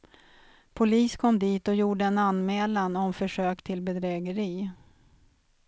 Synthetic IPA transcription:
pʰʊliːskʰɔmd̪iːt̪ɔjuːɖəɛnanmɛːlanɔmfœʂøːkt̪ʰɪl̪bɛd̪ɾɛːɡəɾiː

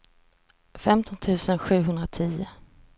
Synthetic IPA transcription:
fɛmt̪ʰɔnt̪ʰʉ̟ːsənɧʉ̟ːɦɵnd̪ɾat̪ʰiːʊ

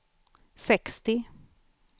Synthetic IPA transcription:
sɛkst̪ɪ

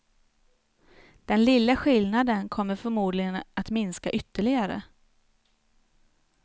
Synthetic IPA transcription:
d̪̥ɛnlɪlːəɧɪlnad̪ənkʰɔmːəɾfœɾmuːd̪lɪɡənat̪mɪnskaʔʏt̪ːəɭɪɡaɾə̰

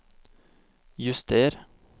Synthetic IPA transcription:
jʉst̪ʰeːɾ

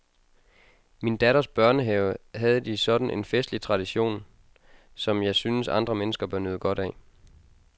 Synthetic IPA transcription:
mind̥æɾɐsb̥ɶɐnəɦeʊɦæð̞̩ˠəd̥isɒ̽d̥n̩ʔe̝nfesd̥lit͡sʰʁɑ̈d̥iɕo̝̰ːn | sɒ̽mjɑ̈ɪsynəsɑ̈nd̥ʁɐmenəsɡ̥ɐb̥ɶɐnøːð̞̩ˠɡ̥ɒ̽ɾ̥ɛ

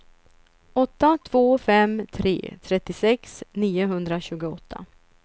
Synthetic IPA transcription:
ɔt̪ːat̪ʰv̥oːfɛmt̪ʰɾḛːt̪ʰɾɛt̪ːɪsɛksniːʊɦɵnd̪ɾaɕʉ̟ːɡʊɔt̪ʰːa̰

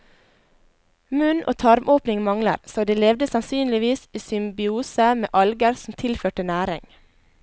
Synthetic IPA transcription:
mʉnʔo̰ːt̪ʰɑɾmʔoːpnɪŋmɑŋlə̰ɾsoːd̪eːlɛʋd̪əsɑnsyːnlɪʋiːsiːsʏmbɪuːsəmḛːʔɑlɡəɾsm̩t̪ʰɪlføːʈənæːɾɪ̰ŋ

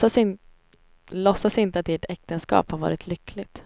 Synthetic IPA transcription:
as | lɔsːasɪnt̪əat̪̚eːʈɛk̚t̪ənskɑ̰ːphaɾvɑ̰ːɾɪt̪ʰlʏkʰːlɪɡt̪

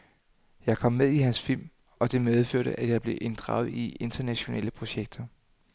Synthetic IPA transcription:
jɑ̈ɪkʰɒ̽mːeðˠiɦænsfil̰m | ɒ̽d̥e̝með̞ˠføɐ̰ɾ̥əʔæjɑ̈ɪb̥le̝ʔe̝nd̥ʁɑ̰̈ʊð̞ˠie̝nd̥ɐnæɕo̝nɛ̰ləpʰʁo̝ɕeɡ̥̚d̥ɐ

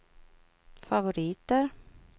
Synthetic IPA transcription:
favʊɾiːt̪əɾ

